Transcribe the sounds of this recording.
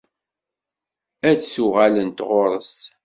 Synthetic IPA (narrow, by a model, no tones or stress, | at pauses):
ædsuʁalənt̪ʁoɾˤəs